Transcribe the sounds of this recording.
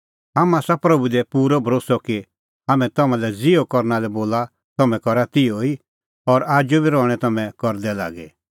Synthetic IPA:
ɦamaːsapɾɐbud̪ɛpuːɾɔbʱɾoːsɔki | amɛ̃t̪ɐmãlɛd͡zɪokɔɾnalɛboːla | t̪ɐmɛ̃kɔɾat̪ɪoi | ɔɾaːd͡ʒobiɾɔ̃ɛt̪ɐmɛ̃kɔɾd̪ɛla̰ːɡɛ

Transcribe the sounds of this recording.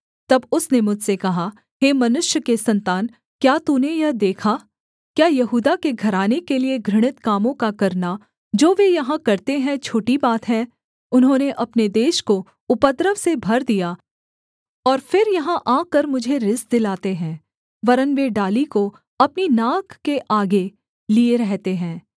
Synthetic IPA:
t̪ɐbʊsnemʊd͡ʒʱsekɐɦa | ɦeːmɐnʊʃjəkesɐ̃nt̪aːn | kjaːt̪unejɐɦd̪eːkʰa | kjaːjɐɦuːd̪akeɡʱɐɾaːnekelieɡʱɾɪɽ̃ɪt̪kaːmõkakɐɾna | d͡ʒoːʋejɐɦãkɐɾt̪eɦɛ̃t͡ʃʰoːʈibaːt̪ɦɛ̃ː | ʊnɦõːneʔɐpned̪eːʃko | ʊpət̪ɾəʋsebʱɐɾd̪ijaː | ɔːɾfɪɾjɐɦãʔaːkəɾmʊd͡ʒʱeɾɪsd̪ɪlaːt̪eɦɛ̃ː | ʋɐɾənʋeɖaːliko | ɐpninaːkːeʔaːɡe | lieɾɛɦt̪eɦɛ̃ː

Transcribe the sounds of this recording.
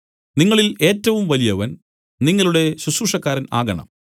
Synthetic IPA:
niŋːɐɭile̞ːtːɐʋumʋɐlijɐʋɐn | niŋːɐɭuɽe̞ɕusuːʂɐkːaːɾɐna̰ːɣɐɳɐ̰m

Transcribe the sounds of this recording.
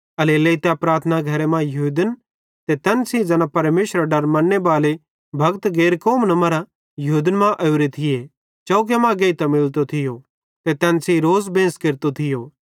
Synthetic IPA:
ɐleleit̪ɛpɾaːɾt̪ʰnaɡʱɐɾemãjɐɦuːd̪ən | t̪et̪ɛːnsĩd͡ʒɐnãpɐɾmeːʃɾəɖɐɾmɐnːebaːle | bʱɐɡt̪ɡeːɾkoːmnɐmɐɾa | jɐɦuːd̪ənmãʔɐuɾet̪ʰɪje | t͡ʃɐuk̬emãːɡɐit̪ɐmɪlt̪ot̪ʰɪjo | t̪et̪ɛːnsĩɾoːzbẽːskeɾt̪ot̪ʰɪjoː

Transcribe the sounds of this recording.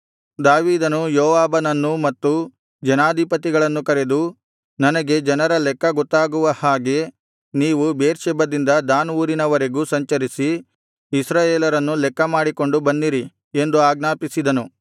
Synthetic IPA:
d̪aːʋiːd̪ɐnujoːʋaːbɐnɐnːumɐt̪ːu | d͡ʒɐnaːd̪ʱipɐt̪iɡɐɭɐnːukɐɾe̞d̪u | nɐnɐɡe̞d͡ʒɐnɐɾɐlɛkːɐɡɔt̪ːaːɡuʋɐhaːɡe̞ | niːʋubeːɾʃɛbɐd̪ind̪ɐd̪aːnʋuːɾinɐʋɐɾe̞ɡusɐɲt͡ʃɐɾisi | isɾaːjeːlɐɾɐnːulɛkːɐmaːɽiko̞ɳɖubɐnːiɾi | e̞nd̪uaːɡnaːpisid̪ɐnu

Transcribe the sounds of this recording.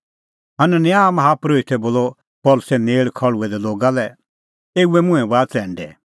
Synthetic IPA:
ɦɐnɛnjaːmɦaːpɾoit̪ʰɛboːlɔ | pɔːlʊsɛneːɭkʰɐɭuɛd̪ɛloːɡalɛ | eːuɛmʊ̃ɛ̃ʋaːt͡sɛ̃ːɳɖɛ̰

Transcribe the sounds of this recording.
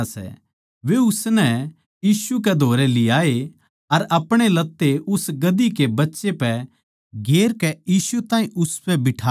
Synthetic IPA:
sɛ̰ | ʋeʊsnɛ | jiːsuk̬ɛd̪ʱoːɾɛlɪjaːe | ɐɾɐpɽ̃elɐt̪ːeʊsɡɐd̪ikebɐtːʃepɛ | ɡeːɾkɛjiːsut̪ãːĩʔʊspɛbɪʈʰaː

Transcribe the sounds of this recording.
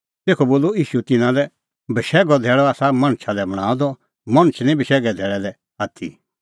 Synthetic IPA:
t̪eːkʰɔboːlːoiːʃut̪ɪnãlɛ | bɐʃɛːɡɔd̪ʱɛːɭɔaːsamɐ̃ɽ̃t͡ʃʰalɛbɐɽ̃aːɔd̪ɔ | mɐ̃ɽ̃ət͡ʃʰnĩbəʃɛːɡɛd̪ʱɛːɭɛlɛ | aːt̪ʰḭ

